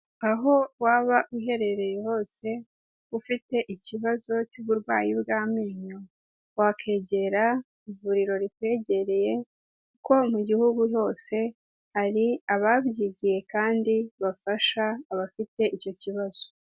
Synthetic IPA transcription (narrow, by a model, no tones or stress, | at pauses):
aɦo̞waːβaʔuɦe̞ɾe̞ɾe̞jeho̞ːse̞ | ufite̞ʔiciβazo̞cuβuɾɡwaːjibɡaːmeːɲo | wakʰe̞ːɟe̞ɾa | ivuɾiɾo̞ɾikwe̞ːɟe̞ɾe̞je̞ | kuko̞muɟihuɡujo̞ːse̞ | haɾiaβabɟiɟije̞kaːndiβafaʃaːβafite̞ʔico̞ciβaz̥o̥